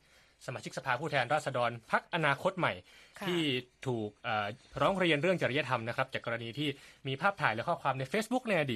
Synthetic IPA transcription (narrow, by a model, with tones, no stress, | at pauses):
sa˧maː˧˩t͡ɕʰi˦˥k̚sa˧pʰaː˧pʰuː˥˩t̪ʰɛː˧nɾaː˥˩sa˧dɔː˧npʰa˦˥k̚ʔa˧naː˧kʰo˦˥t̪̚ma˨˩jʰtʰiː˥˩t̪ʰuː˨˩k̚ʔaː˨˩ɾɔː˦˥ŋɾa˧i˧ənɾɯ˥˩əŋt͡ɕa˨˩ɾa˦ja˦˥t̪ʰa˧mna˦˥kɾa˦˥p̚t͡ɕaː˨˩kːɔː˧ɾa˧niː˧t̪ʰiː˥˩miː˧pʰaː˥˩p̚t̪ʰaː˩˦jlɛː˦kʰɔː˥˩p̚kʰwaː˧mna˧jfeː˦˥sbu˦˥k̚na˧jʔa˧diː˨˩